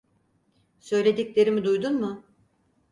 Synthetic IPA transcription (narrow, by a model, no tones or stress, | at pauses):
sø̞jlʲe̞d̪iclʲe̞ɾimid̪ujd̪unmʊ